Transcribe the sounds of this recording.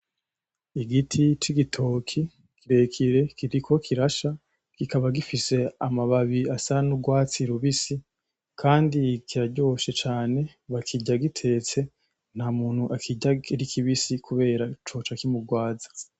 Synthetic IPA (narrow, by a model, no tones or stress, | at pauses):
iɡitʰit͡ʃiɡitʰo̞ːkʰi | kʰiɾe̞kʰiɾe̞kiɾikʰo̞kʰiɾaʃa | kikaβaɡifise̞amaβaβiasanuɡwaːt͡siɾuβisi | kʰaːndikiɾaɟo̞ːʃe̞t͡ʃaːne̞ | βakʰiɟaɡitʰe̞ːt͡se̞ | n̥hamuːn̥huʔakʰiɟaiɾikʰiβisikʰuβe̞ːɾat͡ʃo̞ːt͡ʃakimuɡwaːzḁ